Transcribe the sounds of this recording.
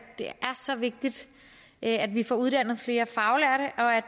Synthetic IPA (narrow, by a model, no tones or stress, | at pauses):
d̥e̝ʔæɐsɒ̽ʋe̝ɡ̥̚d̥id̥ | ʔæd̥ʋifɒ̰ːuð̞ˠd̥æn̰ð̞̩ˠfle̝ːɐfɑ̈ʊlæɐɾeʔɒ̽æ̥